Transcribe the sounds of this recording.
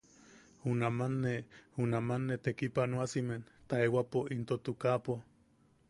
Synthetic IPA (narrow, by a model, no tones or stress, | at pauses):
hunamanːehunamanːet̪ekipanwasiment̪aewapoʔint̪ot̪ukapo